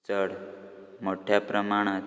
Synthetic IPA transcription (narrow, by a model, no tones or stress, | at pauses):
əɽ | moʈʰjapɾəmaɽ̃